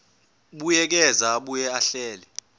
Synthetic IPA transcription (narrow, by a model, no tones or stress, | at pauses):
ɓujɛk̬ɛzaɓujɛaɬɛːlɛ